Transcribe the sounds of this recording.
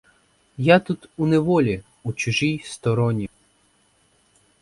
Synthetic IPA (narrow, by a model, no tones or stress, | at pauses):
jat̪ut̪unɛʋɔlʲi | ut͡ʃʊʒijst̪ɔɾɔnʲi